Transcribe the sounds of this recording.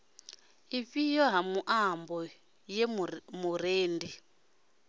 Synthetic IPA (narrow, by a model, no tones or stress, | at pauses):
ifijɔɦamuʔambɔ | jɛmuɾeːndi